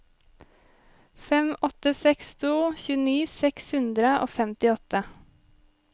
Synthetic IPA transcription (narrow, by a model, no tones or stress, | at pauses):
fɛmɔt̪əsɛkst̪ʰuːçʉːəniːsɛkshʉnd̪ɾəo̰ːfɛmt̪ɪɔt̪ə